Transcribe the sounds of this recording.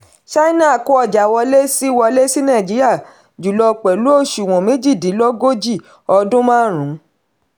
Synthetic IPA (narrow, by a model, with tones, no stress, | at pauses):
ʃa˦i˦na˦˨ko˦ɔ˦˨d͡ʒa˨wɔ˧le˦si˦wɔ˧le˦si˦nã˦˨d͡ʒi˨˦ɾi˦a˦˨ | d͡ʒu˨lɔ˧˨k͡pɛ˨lu˦o˦˨ʃu˨w̃ɔ̃˨mẽ˨˦d͡ʒi˦˨dĩ˨˦lɔ˦ɡo˦d͡ʒi˦˨ | ɔ˧dũ˦mãː˦˨ɾ̃ũ˨˦